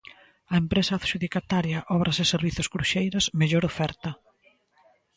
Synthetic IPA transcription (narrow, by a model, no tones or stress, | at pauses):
ɐempɾesɐaθʃuðikat̪aɾjɐʔɔβɾʔɐsɪseɾβiθoskɾuʃejɾosmeʎoɾofɛɾt̪ɐ